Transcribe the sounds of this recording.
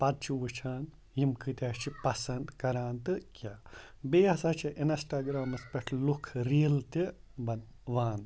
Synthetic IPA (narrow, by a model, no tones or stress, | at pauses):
pɐd̪̚t͡ʃʰiʋut͡ʃʰaːn | jimkɨt̪ʲaːt͡ʃʰipɐsɐnd̪kɐɾaːnt̪ɨkʲa | beːɦɐsaːt͡ʃʰiʔinsʈaːɡɾaːmɐspɐʈʰlukʰɾiːlt̪i | bɐn | ʋaːn